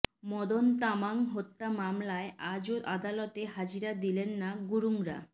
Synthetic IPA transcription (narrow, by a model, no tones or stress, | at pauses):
mɔd̪ont̪amaŋɦot̪ːamamlaeʔad͡ʑoʔad̪alɔt̪eɦad͡ʑiɾad̪ilenːaɡuɾuŋɾa̰